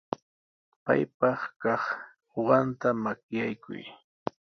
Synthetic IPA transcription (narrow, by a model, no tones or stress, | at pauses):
pa̰jpɑχkɑχ | oɢɑnt̪amakjajkʰʊ̰j